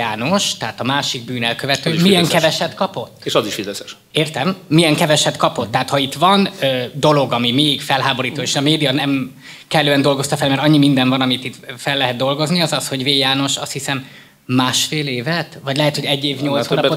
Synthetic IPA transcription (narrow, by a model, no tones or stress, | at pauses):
aːno̞ʃt̪ɛɦaːt̪ɒmaːʃiɡ̚byːnɛlkøvɛt̪øːmiɛŋkɛvɛʃɛt̪kɒpo̞t̪ːeʃɒziʃid̪ɛsɛʃ | eːrt̪ɛmːijɛŋkɛvɛʃɛt̪kɒpo̞t̪ːɛɦaːt̪hɒit̪vɒnøːd̪o̞lo̞ɡɒmimeːiɡfɛlɦaːbo̞ɾiːt̪oːeːʃɒmeːd̪ijɒnɛm | kɛlːøːɛnd̪o̞lɡo̞st̪ɒfɛlmɛɾɒɲːimind̪ɛɱvɒnɒmit̪it̪ːfɛlːɛɦɛd̪̚d̪o̞lɡo̞zniɒzɒsho̞ɟveːjaːno̞ʃɒ̰st̪hisɛmː | aːʃfeːleːvɛt̪vɒɟlɛɦɛt̪ho̞ɟɛɟːeːvɲo̞lsoːnpo